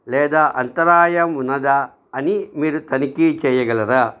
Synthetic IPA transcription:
lɛːd̪aːʔɐnt̪ɐɾaːjɐmunːɐd̪a | ɐnimiːɾut̪ɐnikit͡ʃɛːjɐɡɐlɐɾaː

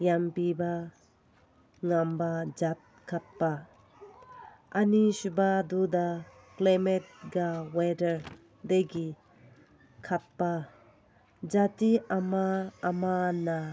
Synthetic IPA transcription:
jampiba | ŋambad͡ʒat̪̚kʰat̪̚pa | aniʃubad̪ud̪a | klamɛt̚ɡawedəɾ | d̪eɡi | kʰat̪̚pa | d͡ʒatiamaːmana

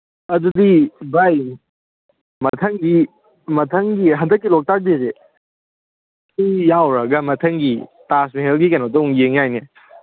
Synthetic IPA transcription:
ɐdudibaj | mɐtʰɐŋɡi | mɐtʰɐŋɡiɦɐndɐk̬̚ːilɔk̚tak̚deze | kijjawɾɐɡɐmɐtʰɐŋɡitasmeɦelɡikanotɐuŋɡeŋajne

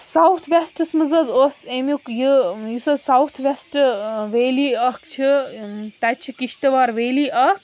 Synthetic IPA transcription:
sawt̪ʰʋesʈɨsmɐzɐzosemukjɨjusɐsawt̪ʰʋesʈʋeːliɐhkt͡ʃʰit̪ɐt͡ʃʰikiʃt̪ɐʋaːɾʋeːliʔɐ

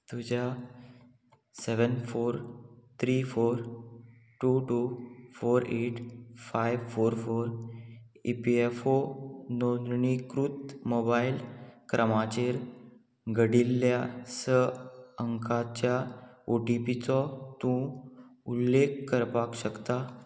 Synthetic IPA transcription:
t̪ud͡ʑa | seʋənfoɾt̪ʰɾifoɾ | ʈuʈufoɾeʈfajʋfoɾfoɾ | ipiefonod̪ɳikɾut̪mobailkɾʔəmat͡ɕeɾ | ɡəɽilːjasəəŋkʰat͡ɕjaoʈipit͡sɔt̪ũulːekːəɾpakɕəkt̪a

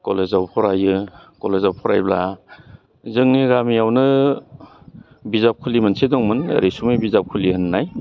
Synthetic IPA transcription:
kɔlezawpʰɔɾajɯkɔlezawpʰɔɾa̰jbla | zɯŋniɡamijawnɯ | bizap̚kʰulimɯnsʰedɔŋmɯnḛɾisumɯbizap̚kʰulihɯnːaj

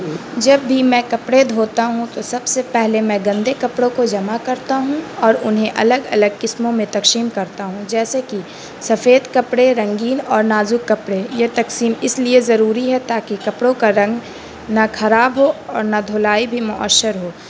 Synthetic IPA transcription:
d͡ʒɐbːimɛ̃ːkɐpɽed̪ʱoːt̪aɦũt̪osɐbsepɛɦlemɛ̃ɡɐ̃nd̪ekɐpɽõkod͡ʒɐmakɐɾt̪aɦũɔːɾʊnɦẽʔɐ̰ləɡɐləɡ̚kɪsmõmẽt̪ɐkʃiːmkɐɾt̪aɦũd͡ʒɛːseki | sɐfeːd̪kɐpɽeɾɐ̃ŋɡiːnɔːɾnaːzukːɐpɽejet̪ɐksiːmɪsliezɐɾuːɾiɦɛt̪aːkikɐpɽõkaɾɐ̃ŋɡ | nakʰɐɾaːbɦoɔːɾnad̪ʱoːlaːibʱimʊʔə̰ʃːəɾɦoː

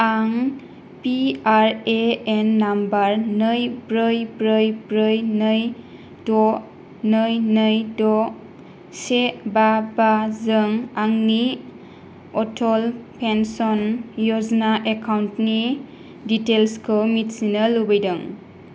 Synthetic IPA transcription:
aŋ | piaɾeenːambaɾnɯjbɾɯjbɾɯjbɾɯjnɯj | dɔ | nɯjnɯjdɔ | sebabazɯŋaŋni | ɔtʰɔlpʰensɔnjɔznaʔekawntni | ditelskʰɯmit̚sinəlubəjdɯŋ

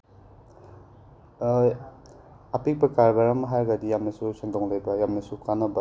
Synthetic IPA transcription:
apik̚pɐkaɾɡaɾɐmɐɦaɾɡɐdijamnɐsusaŋdɔŋlejbɐjamnɐsukanɐbɐ

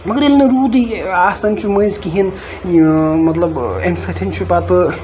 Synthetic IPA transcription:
mɐɡəɾelnɐɾuːd̪iasɐnt͡ʃʰuməjzkiɦin | mɐt̪lɐbemsɐt̪ʰint͡ʃʰupat̪ɨ

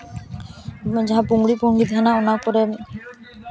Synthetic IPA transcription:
d͡ʒaɦapuŋɡɽipuŋɡid̪ʱanaɔnakoɾe

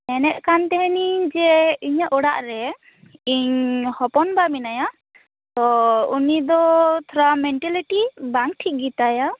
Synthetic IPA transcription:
ɛnɛt̪̚ˀkant̪ɛɦɛnid͡ʒɛiɲaʔɔɽaʔɾɛ | iɲhɔpɔnbaminaja | t̪ɔunid̪ɔt̪ʰɔɾamɛɳʈɛliʈibaŋʈʰik̚ɡit̪aja

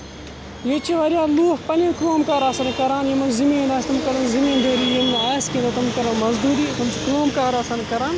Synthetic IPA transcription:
jet͡ʃiʋɐɾjaːluːxpɐnẽnkɾoːmkaːɾaːsɐnkɐɾaːnjemɐnzimẽːnd̪aːst̪umkɐlɐnzimẽːnd̪ʱəːɾiːjemaːskẽːnd̪oːt̪ɐmkɐlõːmɐzd̪uːɾiːt̪ɐmt͡ʃʰikɾoːmkaːɾaːsɐnkɐɾaːn

